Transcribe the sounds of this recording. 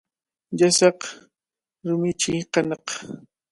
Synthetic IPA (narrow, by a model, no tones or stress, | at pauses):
ʎasɑq | ɾʊmɪt͡ʃiqɑnɑq